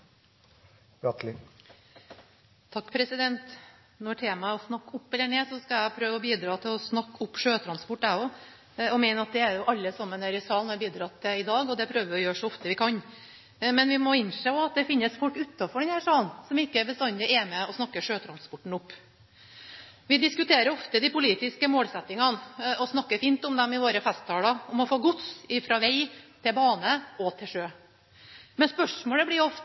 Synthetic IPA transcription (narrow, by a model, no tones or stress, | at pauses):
ɾɑt̪lɪ | t̪ʰɑkːpʰɾɛsɪd̪ɛnt̪ | nɔʈʰeːmɑæɔsnɑkːʊpːɛlːəɳeːsɔskɑjæpʰɾøːʋəɔbiːd̪ɾɑːt̪ʰɪlɔsnɑkːʊpːʂøːt̪ʰɾɑnspɔʈːæːɔ | ɔmeːnəɑt̪̚d̪ɛæɾjʊʔɑlːəsɑmːənæɾɪsɑːlnɔæbiːd̪ɾɑt̪ʰɪɪd̪ɑːɡɔd̪ɛæpʰɾøːʋəʋɪɔjøːʂɔɔft̪əʋɪkʰɑn | mɛnʋɪmɔɪnʂeːɔɑt̪̚d̪ɛfɪnːəsfɔlkʉt̪ːɑfɔɖɛnhæːʂɑːlnsɔmɪkːəæbəst̪ɑnt̪ɪʔɛːməɔsnɑkːəʂøːt̪ʰɾɑnspɔʈːɳ̩ʊpː | ʋɪd̪ɪskʉt̪ʰeːɾəɾɔft̪əd̪ɪpʊliːt̪ɪskəmoːlsɛt̪ːɪŋɑnɔsnɑkːəfiːnt̪ɔmd̪ɛmɪʋoːɾəfɛst̪ɑːlɑɔmɔfoːɡʊt̪sɪfɾɑʋæɪt̪ʰɪlbɑːnəɔt̪ʰɪlʂøː | mɛnspœʂmoːləblɪjɔf